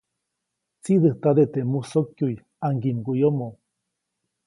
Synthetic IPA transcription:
t͡sid̪ɨht̪ad̪et̪emusokjuj | aŋɡimɡujomo

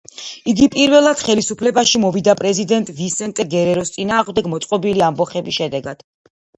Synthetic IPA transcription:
iɡipʼiɾvɛlˠad̪̥χɛlisupʰlɛbaʃimɔvid̪apʼɾɛzid̪ɛnt̪ʼvisɛnt̪ʼɛɡɛɾɛɾɔst̪sʼinaːʁmd̪ɛɡmɔt̪sʼqʼɔbiliambɔχɛbisʃɛd̪ɛɡad̪̥

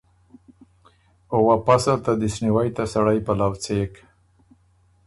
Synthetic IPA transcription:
owapasat̪ad̪ɪsniwajt̪asaɽajpalawt͡sek

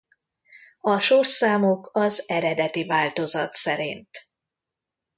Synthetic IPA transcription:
ɒʃorsaːmokɒzɛɾɛd̪ɛt̪ivaːlt̪o̞zɒ̰t̪sɛɾint̪

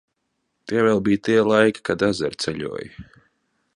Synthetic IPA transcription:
t̪iɛvɛlˠbiːt̪iɛlˠajkʲi̥kad̪azɛɾt̪sɛʎʲṵɔj

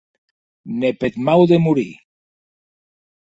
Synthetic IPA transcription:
nepet̪mawðemuɾi

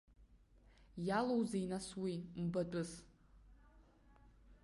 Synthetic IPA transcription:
jalowzeinaswim̩badʷʼʊs

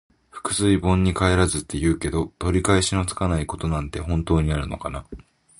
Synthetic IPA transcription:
ɸɯ̟̥kɯ̟̥sɨibõ̞ɲ̟ːikae̞ɾazɨt̪ːe̞jɯ̟ːke̞d̪o̞t̪o̞ɾʲikaeɕino̞t͡sɨ̥kanaiko̞t̪o̞nãnt̪e̞ɦõ̞nt̪o̞ːɲ̟iaɾɯ̟no̞̰kana

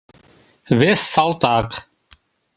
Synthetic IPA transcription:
vɛsːalt̪ʼaːq

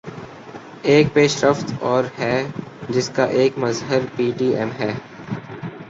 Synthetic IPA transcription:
eːk̚peːʃɾəft̪ɔːɾɦɛːd͡ʒɪskaʔeːkmɐzɦəɾpiːʈiːɛmɦɛː

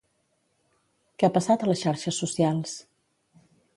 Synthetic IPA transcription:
kɛapəsat̪ələsʃaɾʃəsːusialˠs

